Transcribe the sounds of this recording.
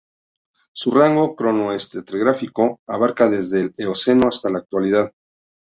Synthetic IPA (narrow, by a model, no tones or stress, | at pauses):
suraŋɡo̞kɾo̞no̞est̪et̪ɾeɣɾafiko̞aβaɾkaðe̞zðe̞leose̞noast̪alaːk̚t̪waliðað